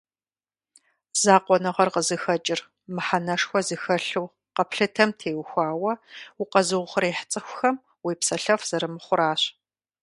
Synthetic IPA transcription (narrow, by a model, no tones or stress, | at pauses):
zaːqʷʼɔnɐʁɐrqəzɨxɐt͡ʃʼɪr | mɨħanɐʂxʷɔzɨxɐɬuw | qɐpʰɬɨtʰɐmtʰeːwxʷɑːwɐʊqɐzɨʁʷʊχɐɾeːħt͡sʼɨxʷʊxɐm | wiːpsɐɬɐfz̥ɐɾɨmɨχʷʊɾaːɕ